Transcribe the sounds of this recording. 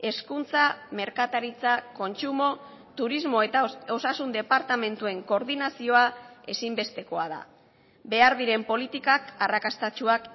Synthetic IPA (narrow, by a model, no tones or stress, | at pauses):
e̞skunt͡same̞ɾkat̪aɾit͡sako̞nt͡ʃumo̞ | t̪uɾizmo̞et̪ao̞sasund̪e̞paɾt̪ame̞nt̪ue̞ŋko̞ɾðinasio̞ae̞simbe̞st̪e̞ko̞aða̰ | be̞aɾðiɾe̞mpo̞lit̪ikakarakast̪at͡ʃuak